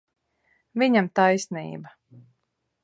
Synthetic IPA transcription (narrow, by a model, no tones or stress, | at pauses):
viɲamt̪ajsnḭːba